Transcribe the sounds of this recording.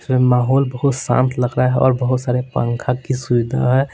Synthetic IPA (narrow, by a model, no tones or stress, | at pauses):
emaːɦɔːlbəɦʊt̪sã̰ːnt̪ʰləɡɾaɦɛʔɔːɾbəɦʊt̪saːɾepə̰ŋkʰakːisubɪd̪ʱa̰ɦɛ